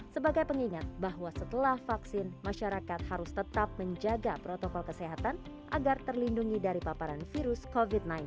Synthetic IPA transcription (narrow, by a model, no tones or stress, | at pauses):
səbaɡajpəŋiŋat̪̚baɦwasət̪əlahfaksɪnmaʃaɾakat̪̚haɾust̪ət̪ap̚məɲd͡ʒaɡapɾot̪okɔlkəseɦat̪an | ʔa̰ɡart̪ərlinduŋidaɾipapaɾanfiɾʊskovit̪̚najn